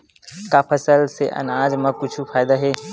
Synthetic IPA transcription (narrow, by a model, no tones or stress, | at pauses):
kapʰɐsəlseʔɐ̰naːd͡ʒmãkʊt͡ʃʰufaːɪd̪aɦɛː